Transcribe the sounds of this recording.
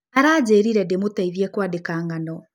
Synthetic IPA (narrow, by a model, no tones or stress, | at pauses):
aɾaːd͡ʑeːɾiɾɛdemotaiβjɛkwaːdekaːŋɡanɔ